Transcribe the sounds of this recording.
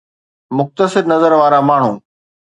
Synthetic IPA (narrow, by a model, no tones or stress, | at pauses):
mʊxt̪əsɪɾnɐzəɾʋaːɾamaːɳ̤ũː